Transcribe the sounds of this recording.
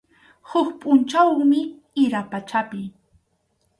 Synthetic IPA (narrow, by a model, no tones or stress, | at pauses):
hʊkpʼʊnt͡ʃawmɪ | ɪɾapat͡ʃapɪ